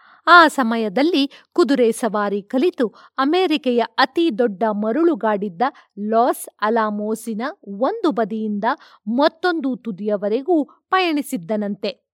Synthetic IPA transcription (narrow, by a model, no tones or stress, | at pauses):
aːsɐmɐjɐd̪ɐlːikud̪uɾɛsɐʋaːɾikɐlit̪u | ɐmeːɾikɐjɐɐt̪id̪ɔɖːɐmɐɾuɭuɡaːɽid̪ːɐ | lɔːsɐlaːmoːsinɐo̞nd̪ubɐd̪ijind̪ɐ | mɐt̪ːo̞nd̪ut̪ud̪ijɐʋɐɾeɡuː | pɐjɐɳisid̪ːɐnɐnt̪e̞